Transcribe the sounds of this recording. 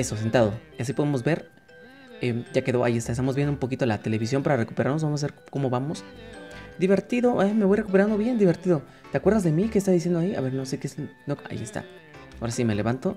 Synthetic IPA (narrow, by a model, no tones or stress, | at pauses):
e̞so̞s̬e̞nt̪að̞o̞asipo̞ðemo̞zbe̞ɾ | eɟ͡ʝake̞ðoa̰jiest̪aest̪amozβjend̪umpo̞k̬it̪olat̪e̞le̞βis̬jo̞mpaɾare̞kupeɾaɾnos̬βamosaβeɾko̞mo̞βamos | d̪iβe̞ɾt̪iðo̞ʔame̞βo̞jre̞kupeɾand̪oβje̞nd̪iβe̞ɾt̪iðo̞ | t̪eakweɾðazðe̞mikest̪aðis̬jend̪oaia̰βe̞ɾno̞se̞kesnoa̰jḭest̪a̰ | aoɾasime̞le̞βant̪o̞